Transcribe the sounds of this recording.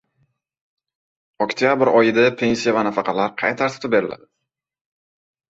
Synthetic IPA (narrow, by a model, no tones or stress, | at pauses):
okt̪ʰijabɪɾɒjɪd̪apʰe̞nʲsijavanafɑqʰɑlaɾqʰɑjt̪ʰaɾt̪ʰʊ̥t̪ɪp̚be̞ɾɪ̰lʔa̰d̪̥ɪ